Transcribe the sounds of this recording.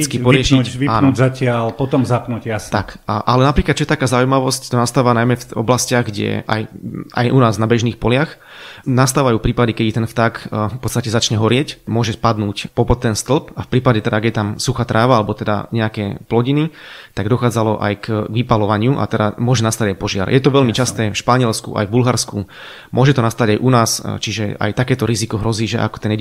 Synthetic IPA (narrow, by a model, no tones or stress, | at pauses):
t͡skipɔɾɪɛʃiʋiaːnnuːzacɪalpɔt̪ɔmzapnuːcjast̪akaʔalɛnapɾiːklat̪t͡ʃɔjɛt̪akaːzaujmaʋɔsct̪ɔnast̪aːʋanajmɛfɔ̰blascɪaɣɡɟɛ̰ʔa̰ja̰jʔunaːznabɛʒniːxpɔlɪax | nast̪aːʋajuːfpɾiːpad̪ikɛd̪it̪ɛnft̪aːkpɔt̪t͡sst̪acɛzat͡ʃɲɛɦɔɾɪɛcmʊɔʒɛpad̪nuːcpɔpɔt̪ːɛnst̪l̩pafpɾiːpaɟɛt̪ɛd̪aɡjɛt̪amsuxat̪ɾʔaːʋaalɛbɔt̪ɛd̪a̰ɲɛakɛːplɔɟinitt̪aɡd̪ɔxaːd͡zalɔʔa̰jkɡʋipalɔʋaɲɪuʔa̰t̪ɛd̪amʊɔʒɛnast̪aɟajpɔʒɪa̰ɾjʔɛt̪ɔʋɛlmit͡ʃast̪ɛːfʃpaɲɪɛlskṵʔa̰jvbulɦaɾsku | mʊɔʒɛt̪ɔnast̪aɟajʔunaːst͡ʃiʒɛa̰jt̪akɛːt̪ɔɾizikɔɦɾɔziːʒɛ̰ʔa̰kɔ̥t̪ɛnjɛ